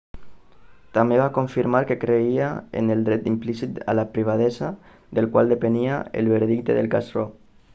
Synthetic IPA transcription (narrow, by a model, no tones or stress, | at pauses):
t̪ambeβakoɱfiɾmaɾkekɾeiaḛnelˠd̪ɾɛt̪̚implisit̪a̰lapɾiβ̞að̞ɛza | d̪elkwalˠd̪epeniaḛlβeɾð̞ik̚t̪eðelkasrɾo